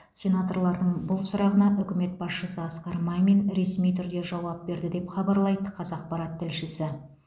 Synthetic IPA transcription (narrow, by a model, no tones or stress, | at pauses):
sʲe̞nat̪o̞ɾlˠɑɾd̪əɴbʊlˠsʊɾɑʁənɑʔʏkʲɪme̞t̪̚bɑsʃəsəɑsqɑɾmɑjme̞nɾe̞smijt̪ʰʏɾd̪e̞ʒɑwɑp̚be̞ɾd̪ɪd̪e̞pχɑbɑɾlˠɑjd̪əqʰɑzɑq̚pɑɾɑt̪ʰːɪlʃɪsɪ